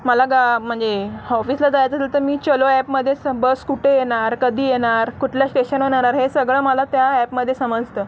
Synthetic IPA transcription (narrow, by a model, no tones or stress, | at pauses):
məlaɡam̤əɳd͡zeɔfiːslad͡z̪ajat͡sət̪ʰalt̪əmiːt͡ɕəloɛpməd̪ʱːjesəbəskuʈʰejeɽaɾkəd̪ʱiːjeɽaɾkuʈʰljasʈeɕənɦoɽaɾaɾɦesəɡɭəːməlat̪jaɛpməd̪ʱːjesəməd͡zt̪əː